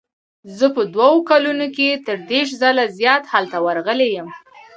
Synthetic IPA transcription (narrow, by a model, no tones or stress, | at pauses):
zəpəd̪wawokalunoket̪əɾd̪eɾʃ̬zalazjɑt̪halt̪awaɾɣəlejəm